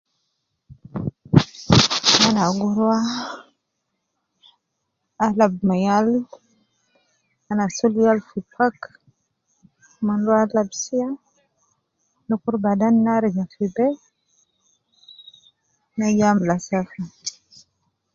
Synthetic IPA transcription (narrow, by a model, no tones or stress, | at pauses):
manaɡuɾwa | alabmajal | anasuljalfipʰak | mandwalabsija | nukuɾbadanːaɾid͡ʒafibe | najamlasafa